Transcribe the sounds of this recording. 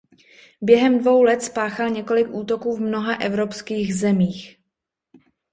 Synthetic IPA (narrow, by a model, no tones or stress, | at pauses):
bjɛɦɛmdvo̞wlɛt̪spaːxalɲɛko̞lɪkʔuːt̪o̞kuːvmno̞ɦaʔɛvɾo̞pskiːɣzɛmiːx